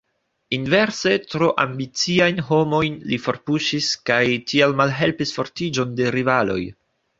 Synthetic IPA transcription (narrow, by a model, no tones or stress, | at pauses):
inve̞ɾse̞tɾo̞ʔambit͡siajnɦo̞mo̞jnlifo̞ɾpuʃiskajtialmalɦe̞lpisfo̞ɾtid͡ʒo̞nde̞ɾivalo̞̰j